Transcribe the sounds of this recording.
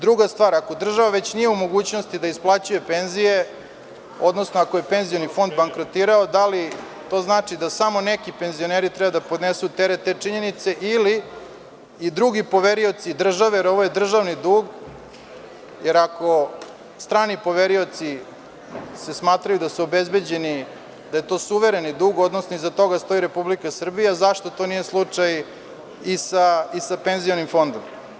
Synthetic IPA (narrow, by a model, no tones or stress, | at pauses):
d̪ɾuɡast̪ʋaːɾako̞d̪r̩ʒaʋaʋet͡ɕnije̞umo̞ɡuːt͡ɕno̞st̪id̪aisplˠat͡ɕuje̞pe̞nzije̞ | o̞d̪no̞snoako̞jepe̞nzijonifo̞nd̪baŋkɾo̞t̪iːɾaod̪ali | t̪o̞ːznaːt͡ʂid̪asamo̞nekipe̞nzio̞neːɾit̪ɾɛbad̪apod̪nesut̪eɾet̪et͡ʂiɲe̞nit̪se̞ʔiliː | d̪ɾuɡipo̞ʋeɾio̞t̪sid̪r̩ʒaʋejeɾo̞ʋo̞je̞d̪r̩ʒaʋnid̪uːɡ | jeɾako̞ | st̪ɾaːnipo̞ʋeɾio̞t̪si | se̞smaːt̪ɾajud̪asuobe̞zbe̞d͡ʑeni | d̪ajet̪o̞ːsuʋeɾe̞nid̪uːɡod̪nosnoizat̪o̞ɡast̪o̞jiɾe̞publikasr̩bijazaʃt̪o̞t̪o̞ːnijeslˠut͡ʂaj | isaisapenzijonimfo̞nd̪om